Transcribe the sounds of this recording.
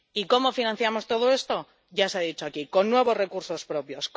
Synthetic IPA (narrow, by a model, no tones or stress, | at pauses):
iko̞mo̞finãn̟θjamo̞st̪o̞ð̞o̞e̞st̪o̞ | ʝaseaðit͡ʃoakiko̞nːwe̞β̞o̞zre̞kuɾso̞spɾo̞pjo̞sk